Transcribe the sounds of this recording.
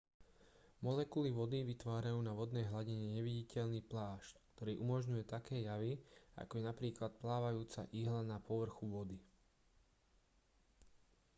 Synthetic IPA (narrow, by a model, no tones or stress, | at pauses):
mɔlɛkuliʋɔd̪iʋit̪ʋaːɾajuːnaʋɔd̪nɛːɦlaɟiɲɛɲɛʋiɟicɛʎniːplaːʃckt̪ɔɾiːʔumɔʒɲujɛt̪akɛːjaʋia̰kɔjɛnapɾiːklat̪̚plaːʋajuːt͡sa̰ʔiːɦlanapɔʋr̩xuʋɔd̪i